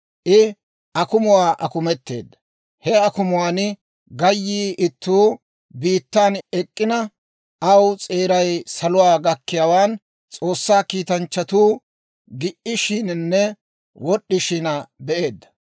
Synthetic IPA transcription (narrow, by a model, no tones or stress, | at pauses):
ʔɪ | ʔɐkʊmʊwaːʔɐkʊmɛt̪ːeːd̪ːɐ | hɛɐkʊmʊwaːn | ɡɐjːiːʔɪt̪ːuː | biːt̪ːaːnɛkʼːɪnɐ | ʔɐwt͡sʼe̞ːɾɐjsɐlʊwaːɡɐkːɪjaːwaːn | t͡sʼo̞ːsːaːkiːt̪ɐnt͡ʃːɐt̪uː | ɡɪʔɪʃɪnnːɛ | wɔɗːɪʃɪnɐbɛʔe̞ːd̪ːɐ̥